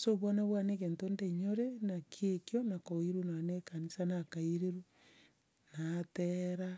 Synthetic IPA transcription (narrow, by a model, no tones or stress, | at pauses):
soβwanaβwanekentondeɲoɾenakʰjekjonakoiɾunanekanisanakaiɾeɾu | nateɾa